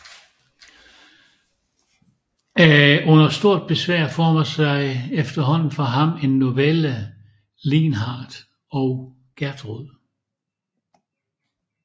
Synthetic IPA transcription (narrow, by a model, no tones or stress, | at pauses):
æʔɔ̽n̰ɐsd̥o̝ɐ̰d̥̚b̥e̝sʋæɐ̰fɒːmɐsɑ̈ɪefd̥ɐɦɒ̽n̰n̩fɒɦɑ̈me̝nːo̝ʋelə | linɦɑ̈ːd̥ | ɒʊ | ɡ̥æɐd̥ʁuð̰ˠ